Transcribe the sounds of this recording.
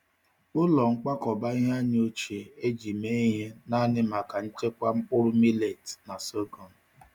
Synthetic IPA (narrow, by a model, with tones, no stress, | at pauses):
ʊ˦lɔ˨ŋ͡m̩˦k͡pa˦kɔ˨ba˦i˦ɦa˦ɲ˦o˦t͡ʃe˨e˦d͡ʒi˨me˦ɦe˦na˦nɪ˦ma˨ka˨n̩˦t͡ʃe˦kʷa˦ŋ͡m̩˦k͡pʊ˦ɾʊ˦mi˦le˨tna˨so˦ɡɔ˨n̩˨